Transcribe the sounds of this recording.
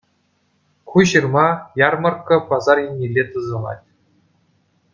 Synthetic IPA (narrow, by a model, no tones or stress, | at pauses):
kuʑɯrmɑjɑrmɤ̆rkːɤ̆pɑzɑrjinʲːilʲːet̪ɯzɤ̆lˠɑ̰tʲ